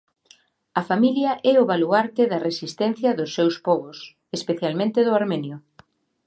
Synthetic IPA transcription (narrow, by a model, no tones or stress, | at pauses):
ɐfamiljɐʔɛʊβaluaɾt̪eðɐresist̪ɛn̟θjɐðʊsːewspɔɣʊs | espeθjalmẽnt̪eðʊaɾmenjʊ